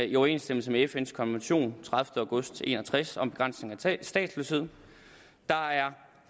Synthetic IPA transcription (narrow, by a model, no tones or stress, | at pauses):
iɒʊɐe̝̰ːnsd̥em̰l̩səmeefenskʰɒ̽nʋenɕo̝̰ːnt͡sʰʁäð̞ˠfd̥əäʊɡ̥ɔ̽sd̥e̝̰ːnɒt͡sʰʁasɒ̽mb̥e̝ɡ̥ʁɑ̈n̰sne̝ŋæsd̥ɛ̰ːd̥sløːshe̝ð̞̰ˠ | d̥ɑ̈æɐ